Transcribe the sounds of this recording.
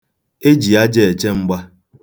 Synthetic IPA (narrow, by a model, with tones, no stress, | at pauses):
e˦d͡ʒi˨a˦d͡ʒe˨e˨t͡ʃe˦ŋ͡m̩˦ɡ͡ba˦